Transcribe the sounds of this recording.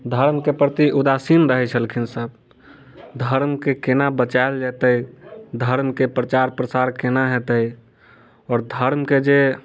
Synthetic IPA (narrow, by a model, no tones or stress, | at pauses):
d̪ʱəɾmkepɾət̪iʔud̪asinɾəɦɛt͡ʃʰəlkʰinsəb̚ | d̪ʱəɾmkekenabət͡ʃaeld͡ʒɛt̪əid̪ʱəɾmkepɾət͡ʃaɾpɾəsaɾkenaɦɛt̪əi | ɔːɾd̪ʱəɾmked͡ʒe